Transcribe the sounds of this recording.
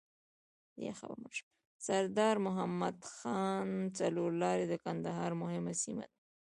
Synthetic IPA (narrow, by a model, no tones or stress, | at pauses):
d̪ə̰ja̰xa̰bəɾmənʃə̥ | saɾd̪ɑɾmʊɦamːad̪xɑnt͡saloɾlɑɾed̪əkand̪aɦɑɾmʊhɪmasima̰d̪a